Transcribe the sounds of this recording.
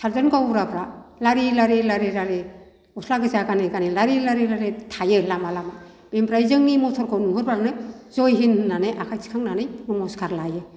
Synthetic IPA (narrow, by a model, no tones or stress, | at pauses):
sʰalzɯnkawɾapʰɾalaɾilaɾilaɾeɾaɾe | ɔslaɡɯzaɡanɯɡanɯlaɾilaɾelaɾetʰajɯlamalama | b̥empɾajzɯŋnimɔtʰɔɾkʰɔnuɦɯɾbanɯzɔjɦinɯːanɯjʔakʰajsʰi̥kʰaŋnanɯjmɔmɔskʰaɾlajɯ